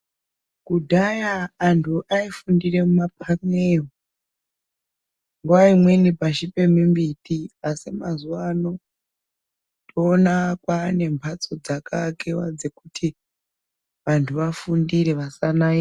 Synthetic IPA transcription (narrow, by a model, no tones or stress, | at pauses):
kudʱajaːntʰuʔaifundire̞mumap̚ʰaŋeo | ŋɡuwaimwe̞nipaʃipe̞mimbitiasimazuwano̞ | tʰoːnakwaːne̞mpʰat͡so̞d͡zakʰakewa̰d͡ze̞kutʰi | ʋantʰuʋafundireʋasanai